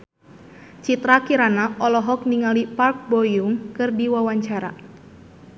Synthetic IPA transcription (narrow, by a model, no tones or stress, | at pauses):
t͡ʃit̪ɾakiɾanaʔɔlɔɦɔk̚niŋalipark̚bɔjuŋkɨrdiwawaɲt͡ʃaɾa̰